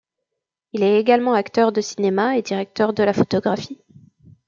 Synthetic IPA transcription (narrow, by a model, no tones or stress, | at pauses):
ilɛeɡalmɑ̃akt̪œʁd̪əsinemaed̪iʁɛk̚t̪œʁd̪əlafɔt̪ɔɡʁafi